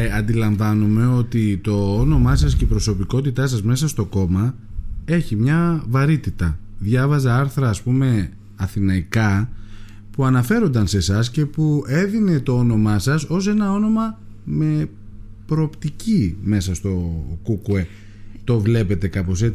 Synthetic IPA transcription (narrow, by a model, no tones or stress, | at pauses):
ɐnd̪ilɐɱvɐnume̞o̞t̪it̪o̞ono̞mɐs̬ɐsce̞ipɾo̞so̞piko̞t̪it̪ɐsɐzme̞sɐst̪o̞ko̞mɐ | e̞çimɲɐvɐɾit̪it̪ɐðʝɐvɐzɐɐɾθɾɐːspume̞ | ɐθinɐikɐ | puɐnɐfe̞ɾo̞nd̪ɐnse̞sɐsce̞pue̞ðine̞t̪o̞o̞no̞mɐsɐso̞s̬e̞nɐo̞no̞mɐ | me̞ | pɾo̞ːpt̪icime̞sɐst̪o̞kukue̞ | t̪o̞vle̞pe̞t̪e̞kɐpo̞se